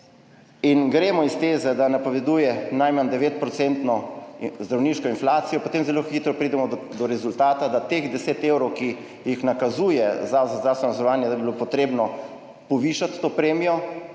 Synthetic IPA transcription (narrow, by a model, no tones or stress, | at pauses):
inɡɾeːmɔist̪eːzɛd̪anapoʋɛd̪ujɛnajmand̪ɛʋeːt̪̚pɾɔt̪sent̪nɔzd̪ɾawniːʃkɔinflaːt̪sijɔpot̪eːmzɛloxit̪ɾɔpɾid̪ɛmɔd̪ɔɾɛzult̪aːt̪ad̪at̪eːɣd̪ɛseːt̪eːwɾɔwki | jixnakazujɛzazazd̪ɾaːwst̪ʋɛnɔzɔɾɔʋaːnjɛd̪abibilopɔt̪ɾeːbnɔ | pɔʋiːʃat̪ːoːpɾeːmijɔ